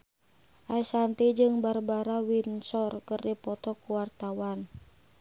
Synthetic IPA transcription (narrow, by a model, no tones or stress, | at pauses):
ʔaisant̪id͡ʒɨŋbarbaɾawinsɔrkɨrdipɔt̪ɔkuwart̪awan